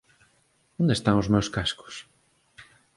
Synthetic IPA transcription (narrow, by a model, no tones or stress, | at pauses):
õnd̪est̪aŋʊzmewskaskʊ̥s